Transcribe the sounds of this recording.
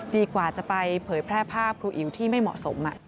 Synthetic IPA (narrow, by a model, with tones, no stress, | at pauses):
diː˧kwaː˨˩t͡ɕa˨˩pa˧jpʰɤː˩˦jpʰɾɛː˥˩pʰaː˥˩p̚kʰɾuː˧˥ʔi˩˦wt̪ʰiː˥˩ma˥˩jmɔ̰˨˩ʔso˩˦mʔa̰˨˩ʔ